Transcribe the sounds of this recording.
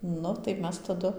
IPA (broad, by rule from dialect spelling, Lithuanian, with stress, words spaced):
ˈnʊ tɐɪ ˈmʲɛs tɐˈdʊ